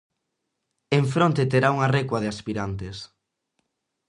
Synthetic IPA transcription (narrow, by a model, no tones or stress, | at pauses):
eɱfɾont̪et̪eɾauŋarekwɐð̞easpiɾant̪es